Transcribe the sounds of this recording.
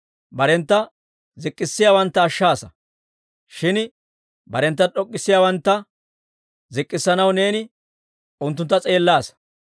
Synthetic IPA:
bɐɾɛnt̪ːɐ | zɪkʼːɪsːɪjaːwɐnt̪ːɐːʃːaːsɐ | ʃɪn | bɐɾɛnt̪ːɐɗɔkʼːɪsːɪjaːwɐnt̪ːɐ | zɪkʼːɪsːɐnɐwne̞ːnɪ | ʔʊnt̪ːʊnt̪ːɐt͡sʼe̞ːlːaːsɐ̥

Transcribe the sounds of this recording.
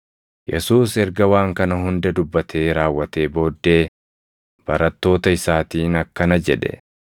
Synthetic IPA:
jɛ̰suːsɛɾɡɐwaːŋkɐnɐɦʊnd̪ɐd̪ʊbːɐt̪ʰe̞ːɾaːwːɐt̪e̞ːbo̞ːd̪ːe̞ː | b̥ɐɾɐt̪ːo̞ːt̪ɐɪsaːt̪iːnɐkːɐnɐd͡ʒɛᶑɛ̰

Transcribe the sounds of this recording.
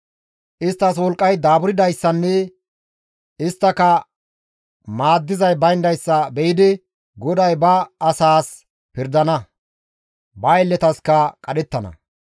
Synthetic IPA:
ʔɪst̪ːɐswɔlkʼːɐjd̪aːbʊɾɪd̪ɐjsːɐnːɛ | ɪst̪ːɐkɐ | maːd̪ːɪzɐjbɐjnd̪ɐjsːɐbɛjɪd̪ɪ | ɡɔd̪ɐjbɐːsaːs | pɪɾd̪ɐnɐ | bɐɛlːɛt̪ɐskɐkʼɐɗɛt̪ːɐnɐ̰

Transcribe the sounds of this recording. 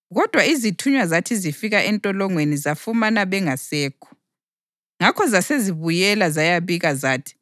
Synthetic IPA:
ɣɔd̥ʱwaizitʰuɲwazatʰizifiɣaʔɛntʼɔlɔŋwenizafumanaβɛŋasɛːkʰɔ̥ | ŋakʰɔzaseziβujɛlazajaβiɣazaːtʰi̥

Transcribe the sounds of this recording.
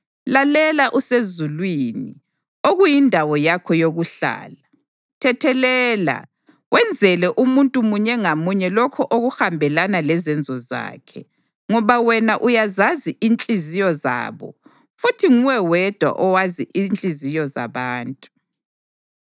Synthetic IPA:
lalɛlaʔusezulwini | oɣujindʱawɔjakʰɔjoɣuɬa̰ːla | tʰɛtʰɛlɛːla̰ | wʔɛnd͡zʱɛlɛʔumuntʼumuɲɛŋamuɲɛlɔkʰɔʔoɣuxambʱɛlanalɛzɛnd͡zʱɔza̰ːkʰɛ | ŋɔβawɛnaʔujazaziʔint͡ɬʼizijɔza̰ːβɔ̰ | futʰiŋuwɛwɛd̥ʱwa̰ʔɔwaziʔint͡ɬʼizijɔza̰βaːntʼu

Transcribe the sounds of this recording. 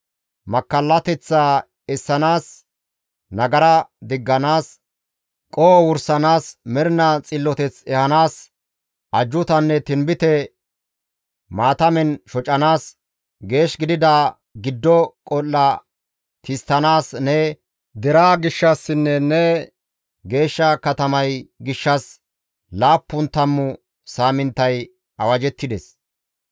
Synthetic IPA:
mɐkːɐlːɐt̪ɛt͡sːaː | ɛsːɐnaːs | nɐɡɐɾɐd̪ɪɡːɐnaːs | kʼoːwʊɾsɐnaːsmɛɾnɐt͡sʼɪlːɔt̪ɛt͡sɛhɐnaːs | ʔɐd͡ʒːʊt̪ɐnːɛt̪ɪmbɪt̪ɛ | maːt̪ɐmɛnʃɔt͡ʃʼːɐnaːs | ɡe̞ːʃɡɪd̪ɪd̪aː | ɡɪd̪ːɔkʼɔlːɐ | t̪ɪst̪ːɐnaːsnɛ | d̪ɛɾaːɡɪʃːɐsːɪnːɛnːɛ | ɡe̞ːʃːɐkɐt̪ɐmɐjɡɪʃːɐs | laːpːʊnt̪ːɐmːʊ | saːmɪnt̪ːɐj | ɐwɐd͡ʒɛt̪ːɪd̪ɛs

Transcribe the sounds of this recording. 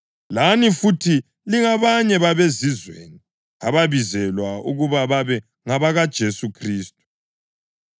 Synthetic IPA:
lanifutʰi | liŋaβaɲɛβaβezizwḛːni | a̰βaβizɛlwaṵɣuβaβaβɛ | ŋaβaɣad̥ʒ̥ʱesukʰriːstʼu̥

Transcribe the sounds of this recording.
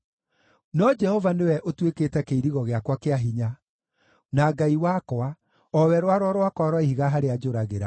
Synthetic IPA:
nɔd͡ʒɛhɔvanewɛʔotweketɛkeiɾiɣɔɣeakwakeaɦiɲa | naɡaiwakɔa | ɔwɛɾwaɾwɔɾwakwaɾwaihiɣaɦaɾead͡ʒoɾaɣeɾa̰

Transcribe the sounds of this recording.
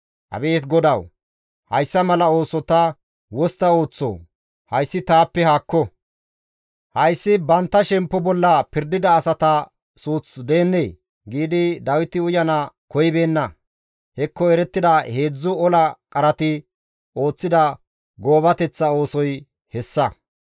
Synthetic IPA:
ʔɐ̰be̞ːt̪ɡɔd̪ɐw | hɐjsːɐmɐlɐo̞ːsɔt̪ɐ | wɔst̪ɐo̞ːt͡sːo̰ː | hɐjsːɪt̪aːpːɛhaːkːɔ | hɐjsːɪbɐnt̪ːɐʃɛmpːɔbɔlːɐpɪɾd̪ɪd̪ɐːsɐt̪ɐ | suːt͡sd̪e̞ːnːeː | ɡiːd̪ɪd̪ɐwɪt̪ɪʊjɐnɐkɔjɪbe̞ːnːɐ | hɛkːɔɛɾɛt̪ːɪd̪ɐhe̞ːd͡zːʊɔlɐkʼɐɾɐt̪ɪ | o̞ːt͡sːɪd̪ɐ | ɡo̞ːbɐt̪ɛt͡sːɐo̞ːsɔj | hɛsːɐ

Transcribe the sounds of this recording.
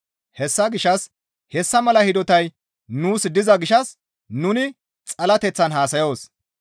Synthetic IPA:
hɛsːɐɡɪʃɐs | hɛsːɐmɐlɐhɪd̪ɔt̪ɐj | nuːsd̪ɪzɐɡɪʃɐs | nʊnɪ | t͡sʼɐlɐt̪ɛt͡sːɐnɦaːsɐjo̞ːs

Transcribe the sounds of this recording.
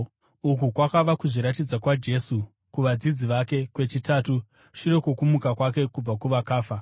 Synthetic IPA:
uk̬ukwakaʋakuʐiɾatid͡zakwad͡ʒe̞ːsu | kuʋad͡zid͡ziʋake̞kwe̞t͡ʃitaːtu | ʃire̞kokumukakwak̬e̞kub͡vakuʋakaːfa

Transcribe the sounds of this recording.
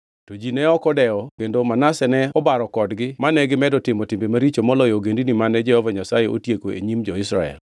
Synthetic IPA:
tod͡ʒinɛɔkɔdɛɔkendomanasɛnɛɔbaɾɔkɔdɡɪmanɛɡɪmɛdɔtɪmɔtimbemaɾit͡ʃomɔlɔjoɡendinimanɛd͡ʒɛhɔvaɲasajeʔo̰tjekoḛɲimd͡ʒɔɪsɾaɛ̰l

